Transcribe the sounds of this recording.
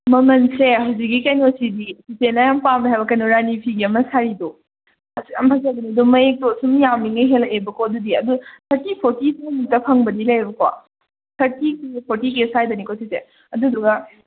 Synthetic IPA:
mɐmɐnseɦawzik̬ːikajnosidisisenajampamdaɦajbɐkajnoɾanipʰiɡiɐmɐsaɾido | sɐ̰mpʰasajdɐnidumɐek̚tosumjamiŋɐjɦelɐebɐkoɐdudiɐdut̪ʰɐɾtipʰoɾtisajnutːɐpʰɐŋbɐdilajbɐkwa̰ | tʰɐɾtikipʰoɾtik̬esajdɐnikosise | ɐduduɡɐ

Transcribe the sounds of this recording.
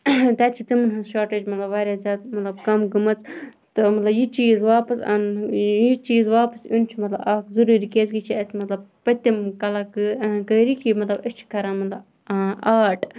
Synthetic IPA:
t̪ʲaːt͡ʃʰit̪imɨnɦɨʃaːʈeːd͡ʒmɐt̪lɐbʋaːɾʲaːzʲjaːd̪mɐt̪lɐbkɐmɡɐmɐt͡sʰ | t̪ɨmɐt̪lɐbjit͡ʃiːzʋaːpɐsɐ̰njit͡ʃiːzʋaːpɐsunt͡ʃʰimɐt̪lɐbaːkzuɾuːɾikeːzɡit͡ʃʰiɐsmɐt̪lɐb̚pɐt̪imkɐlakkəːɾikimɐt̪lɐbɐt͡ʃʰi̥kɐɾaːnmɐt̪lɐb | aːʈ

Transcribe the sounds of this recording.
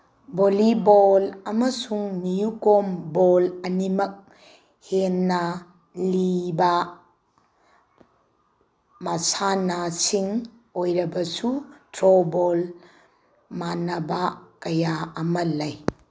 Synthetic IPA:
bolibolɐmɐsuŋnijukombolɐnimɐk̚ | henːɐ | liba | masanasiŋ | ojɾɐbɐsutɾobol | manɐbakɐjaɐmɐlɐj

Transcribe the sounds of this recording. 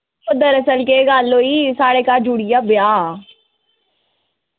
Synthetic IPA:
od̪əɾəsəlkeɡaːlːoːiːsaːɽekad͡ʒuːɽijaːbɪjaː

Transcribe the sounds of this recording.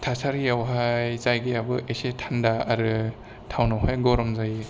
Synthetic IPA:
tʰasaɾijawɦajzajɡejabɯʔesetʰandaaɾɯ | tʰawnawɦajɡɔɾɔmzaji

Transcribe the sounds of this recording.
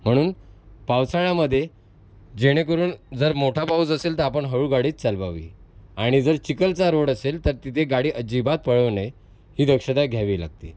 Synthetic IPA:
m̤əɽ̃uːnpawsaɽ̃aməd̪ʱːje | d͡ʑeɽ̃ekəɾuːnd͡zəɾmoʈʰapaut͡səselt̪əɾapəɳɦəɾuɡaɽiːt͡st͡salbaʋḭːaɽ̃id͡zəɾt͡ɕikəlt͡saɾoɽəselt̪əɾt̪it̪ʰeɡaɽiːʔəd͡ʑibat̪̚pəɭəʋnəj | hiːd̪əkʂəd̪aɡʱjaʋiːla̰ɡ̚t̪ḭː

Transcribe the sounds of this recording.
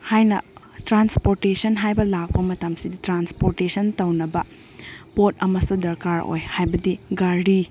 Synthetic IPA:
hajnɐ | tɾanspoɾtesɐnɦajbɐlak̚pɐmɐtɐmsiditɾanspoɾtesʰɐntɐwnɐbɐ | pot̚ɐmɐsudɐɾkaɾo̰jhajbɐdiɡaɾi

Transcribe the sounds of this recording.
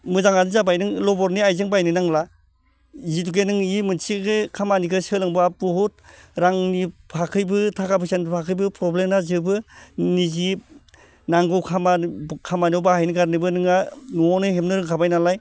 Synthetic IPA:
mɯzaŋanizabajnɯŋlɔbɔɾniajzɯŋbajnɯnaŋla | zituɡenɯŋimɯnsiɡɯkʰamanikʰɯsɯlɯŋbabuhut̚ɾaŋnipʰakʰɯjbɯtʰakabʰɯsanpʰakʰɯjbɯpɾɔblemnazɯbɯnizi | naŋɡɯwkʰamakʰamanowbahajniɡaɾnɯbɯnɯŋanuɔnɯɦemnɯɾɯŋkʰabajnalaj

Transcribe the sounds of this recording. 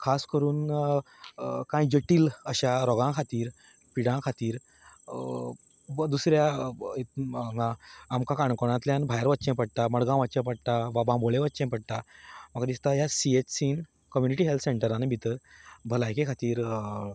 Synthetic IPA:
kʰaskəɾuːn | kãjd͡ʑəʈiːləɕaɾɔɡãkʰat̪iːɾ | piɽãkʰat̪iːɾ | d̪usɾjait̪ːŋɡãːmkãkaɳkɔɽ̃ãt̪ljãnbʱajəɾʋətːt͡ɕẽpəɽt̪aməɽɡãʋətːt͡ɕẽpəɽt̪aʋabãboɭẽʋət̪ːt͡ɕẽpəɽt̪amaɡd̪ist̪ajasiet͡ɕsiːn | kəmjuniʈiːɦelt̪ʰseɳʈəɾanebʱit̪əɾbʱəlajkẽkʰat̪iːɾ

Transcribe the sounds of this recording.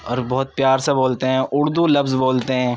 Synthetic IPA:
ɔːɾbɔɦʊt̪̚pjaːɾseboːlt̪eɦɛ̃ːʔʊɾd̪ulɐbzboːlt̪eɦɛ̃ː

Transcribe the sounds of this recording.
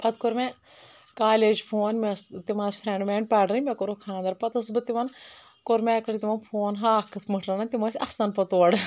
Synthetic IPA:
pɐt̪koɾme | kaːleːd͡ʒpʰoːnmest̪imaːsʲpʰɾeɳɖmeːɳɖ̚pʲɐːɽɾɐnʲmʲɛkoɾokʰãːnd̪ɐɾpɐt̪ɐsbɨt̪imɐn | koɾmʲeːkɾɐɾt̪imɐnpʰoːnɦaːkʰɨt̪ʰmɨʈʰɾɐnɐnt̪imɐsʲɐst̪ɐnpɐt̪oːɽ

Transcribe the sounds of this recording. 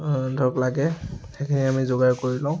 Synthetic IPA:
dʱɔɹklaɡɛxekʰiniamizoɡaɹkoɹilãʊ̃

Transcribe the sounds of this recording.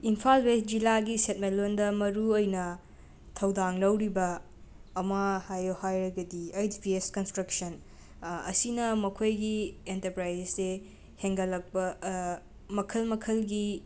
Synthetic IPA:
impʰalwes̚d͡ʒilaɡiset̚melondɐmɐɾuojnɐ | tʰɐwdaŋlɐwɾibɐː | mahajohajɾɐɡɐdiajtipieskɐnstɾɐksɐn | ɐ̰sinɐmɐkʰojɡientɐɾpɾajzesːe | heŋɡɐlːɐk̚pɐ | mɐkʰɐlmɐkʰɐlɡi

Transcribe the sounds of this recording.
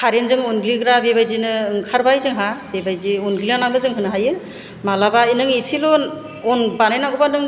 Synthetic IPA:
kʰaɾenzɯŋunɡliɡɯɾabebajdinɯɯŋkʰaɾbajzɯŋɦabebajziunɡianabɯzɯŋɦɯnɦajɯ | malabainɯŋisilɔ | ɔnbanajnaɡɔbanɯŋ

